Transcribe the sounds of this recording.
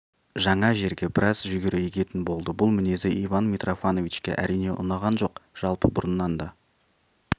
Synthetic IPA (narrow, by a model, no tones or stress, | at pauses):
ʒɑɴɑʒe̞ɾɡʲe̞bɪɾʔɑzʒʏɡʲeɾʔejekʲe̞t̪ɪnbo̞lˠd̪əbʊlˠmɪne̞zeʔivɑnmʲit̪rʔofano̞vit͡ʃkʲe̞̰ʔæ̰ɾʔijne̞ʔʊ̰nɑʁɑnʒo̞qʒ̥ɑlˠpəbʊɾənːɑnd̪ɑ